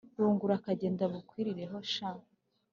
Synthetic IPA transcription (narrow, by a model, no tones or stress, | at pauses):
ɾuːŋɡuɾakaɟe̞ːndaβukwiːɾiɾe̞ɦo̞ʃa